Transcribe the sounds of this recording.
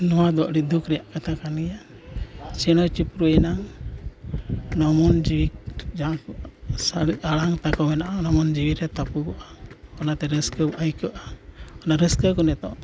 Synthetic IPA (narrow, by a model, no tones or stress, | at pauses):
nɔwad̪ɔʔɾid̪ukɾɛjaʔkat̪ʰakanɡɛja | t͡ʃɛnɔt͡ʃipɾuɛnaŋ | nɔmɔnd͡ʒiwid͡ʒakʔsaaɽaŋt̪akɔwɛnaʔanɔmɔnd͡ʒiwiɾɛt̪apukɔʔaɔnat̪ɛɾəskəbɔʔajkɔʔaɔnaɾəskəkɔnɛt̪ɔ